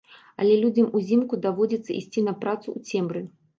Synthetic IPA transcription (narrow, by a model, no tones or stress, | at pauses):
ɐ̰lʲɛlʲud͡zʲɐmuzʲimkud̪avɔd͡zʲit̪sːɐ̰ʔisʲt͡sʲinɐpɾat̪suut͡sʲɛmbɾɨ